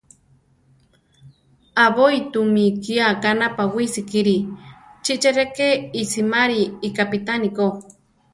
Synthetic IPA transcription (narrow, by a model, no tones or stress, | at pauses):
aβojt̪umikiakanapawisikiɾit͡ʃiʔt͡ʃeɾekeisimaɾiːkapit̪aniko